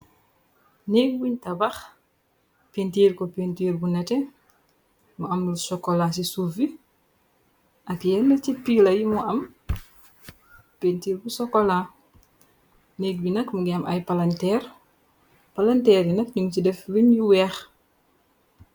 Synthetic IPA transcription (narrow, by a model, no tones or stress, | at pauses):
neːk̚buɲtɐbɐx | pentiːɾkɔpentiːɾbunɐtɛ | muɐmlusɔkːɔlasisuːfi | ʔɐkjɛndəcipilɐjimuʔɐm | pentiːɾbusɔkːɔla | neːɡ̚binɐkmuɡɛɐmʔɐjpalɐntɛːr | pɐlɐntɛːɾjinɐk̚ɲuŋcidɛfluɲjuwɛːx